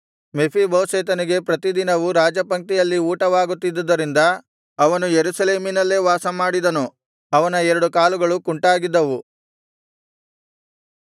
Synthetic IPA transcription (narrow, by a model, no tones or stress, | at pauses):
mepʰibɐʋseːt̪̬ɐniɡe̞pɾɐt̪id̪inɐʋuɾaːd͡ʒɐpɐŋ̚t̪ijɐlːiuːʈɐʋaːɡut̪ːid̪ːɐd̪ːɐɾind̪ɐ | ɐʋɐnujeɾusɐleːminɐlːeːʋaːsɐmaːɽid̪ɐnu | ɐʋɐnɐɛɾɐɽukaːluɡɐɭukuɳʈaːɡid̪ːɐʋu